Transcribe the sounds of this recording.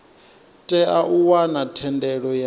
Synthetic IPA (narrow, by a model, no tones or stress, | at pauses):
tʼɛʔaʔuwanatʰɛndɛɺɔja